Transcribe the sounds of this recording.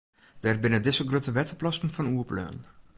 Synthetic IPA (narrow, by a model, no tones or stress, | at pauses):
d̥ɛrbɪnədɪsəlˠɡrøtəʋɛtəplɔstn̩fɔnuəplø̰ːn